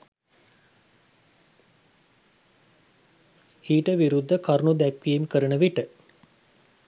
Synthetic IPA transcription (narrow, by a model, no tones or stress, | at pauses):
iːʈəʋiɾud̪ːəkaɾnud̪ækʋiːmkəɾənəʋiʈə